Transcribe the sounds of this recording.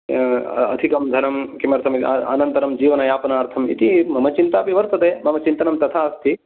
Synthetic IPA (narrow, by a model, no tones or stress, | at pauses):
ɐ̰d̪ʱikɐmd̪ʱɐnɐmkimɐɾt̪ʰɐmia̰ːnɐnt̪ɐɾɐmd͡ʒiːʋɐnɐjaːpɐnaːɾt̪ʰɐmḭt̪imɐmɐt͡ʃint̪aːpiʋɐɾt̪ɐt̪eːmɐmɐt͡ʃint̪ɐnɐmt̪ɐt̪ʰaːɐst̪ʰi